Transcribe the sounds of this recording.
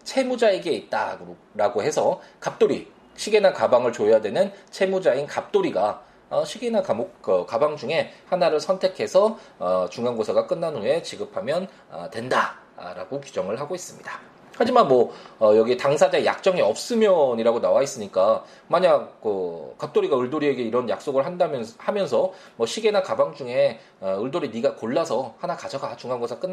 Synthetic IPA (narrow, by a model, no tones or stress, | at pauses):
t͡ɕʰe̞mud͡ʑaeɡe̞it̚t͈a | ɾaɡohe̞sʰʌkap̚t͈oɾi | ɕʰiɡenakabaŋɯɭt͡ɕojadwe̞nɯnt͡ɕʰe̞mud͡ʑainkap̚t͈oɾiɡa | ʌɕʰiɡinakamokɯkabaŋd͡ʑuŋe̞hanaɾɯɭsʰʌntʰe̞kʰe̞sʰʌʌt͡ɕuŋanɡosʰaɡak͈ɯnːanuɦe̞t͡ɕiɡɯpʰamjʌn | ʌ̰twe̞nda̰ | ɾa̰ɡokud͡ʑʌŋɯɭɦaɡois͈ɯmɲida | had͡ʑimanmwʌːjʌɡietaŋsʰad͡ʑaeja̰k̚t͡ɕ͈ʌŋiʌp̚s͈ɯmjʌɲiɾaɡonawais͈ɯɲik͈a | maɲak̚kɯkap̚t͈oɾiɡaɯɭdoɾie̞ɡe̞iɾʌnja̰k̚s͈oɡɯɭɦandamhamjʌnsʰʌmʌɕʰiɡe̞nakabaŋd͡ʑuŋe̞ | ʌɯɭdoɾiniɡakoɭːasʰʌhanakad͡ʑʌɡat͡ɕuŋɦanɡosʰak͈ɯnː